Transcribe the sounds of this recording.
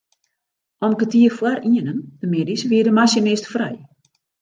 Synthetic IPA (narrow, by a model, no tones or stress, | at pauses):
ʔɔmkətiəfwaɾiənənd̥əmedisʋiədəmasjənɪstfrɛ̰j